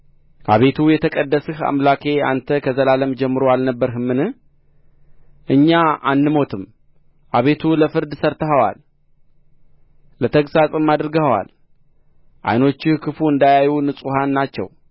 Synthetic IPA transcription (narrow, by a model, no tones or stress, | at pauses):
ʔa̰βe̞t̪ʰujɛt̪ʰəkʼəd̪ːəsɨha̰mlakʰe̞a̰nt̪ʰəkʰəzəlaləmd͡ʒɛmːɨɾoalnəbːəɾɦɨmːɨnɨh | ʔɨɲːaa̰nːɨmo̞t̪ʰɨm | ʔaβe̞t̪ʰuləfɨɾd̪səɾt̪ʰəɦəwa̰l | ət̪ʰəksasʼɨmːad̪ɾɡəhəwa̰l | ʔa̰jno̞t͡ʃːɪhkʰɨfuɨnd̪ajajunɨsʼuhanːat͡ʃːɛ̰w